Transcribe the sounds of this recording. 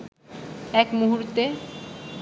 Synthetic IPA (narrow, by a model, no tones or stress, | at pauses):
ɛkmuɦuɾt̪e